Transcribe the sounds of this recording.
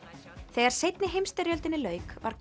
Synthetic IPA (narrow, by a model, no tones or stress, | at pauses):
θeɣaɾ̥sejt̪nɪɦejmst̪ɪɾjœlt̪ɪnɪlœːɥkva̰ɾ̥k